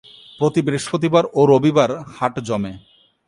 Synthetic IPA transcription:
pɾot̪ibɾeʃpot̪̬ibaɾoɾobibaɾhaʈd͡ʑɔme

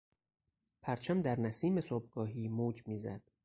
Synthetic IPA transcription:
pʰæɾt͡ʃʰæmd̪æɾnæsiːme̞soːb̚ɡɒːɦiːmoːd͡ʒmiːzæ̰d̪̥

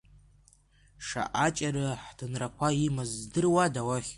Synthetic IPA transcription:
ʂa̰ʔat͡ʃʼaɾɨħd̥ɨnrakʷʰaimazdɨrwadawaχʲ

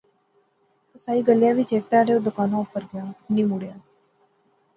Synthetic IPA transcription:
kəsaiːɡəljaʋit͡ɕek̚t̪aɽeʋd̪ukanoupəɾɡjanimuɽja

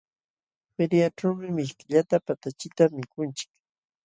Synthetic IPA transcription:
peɾjaʈ͡ʂawmɪmɪʃkɪʎat̪apat̪at͡ʃɪt̪amːɪkʊnt͡ʃɪ̥k

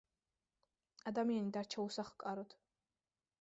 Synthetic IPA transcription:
ad̪amianid̪aɾt͡ʃʰausaχkʼaɾɔt̪ʰ

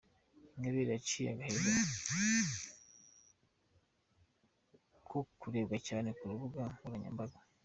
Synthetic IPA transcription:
ŋɡaβeɾiat͡ʃija̰ɡaheɾe | kʰokuɾeːbɡacaːnekuɾuβuɡauɾaɲa̰ːmbaɡa

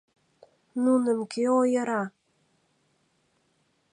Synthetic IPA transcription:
nunə̆mkeojəɾɑ

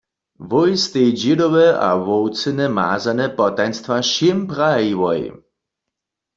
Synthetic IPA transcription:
vɔjst̪ejd͡ʑɪd̪ɔwɛʔa̰vɔwt͡sɛnɛma̰ːzanɛpɔt̪ajnst̪vaʃɪmpʁaiwɔj̰

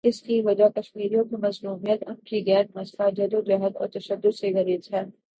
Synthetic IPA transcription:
ɪskiʋɐd͡ʒakɐʃmiːɾijõkimɐzluːmijət̪ɐb̚kiɡɛːnmɐst̪ʰad͡ʒɐd̪ʊd̪ɾɛɦət̪ɔ̰ːɾt̪ɐʃəd̪ːʊd̪seɣɐɾiːdɛː

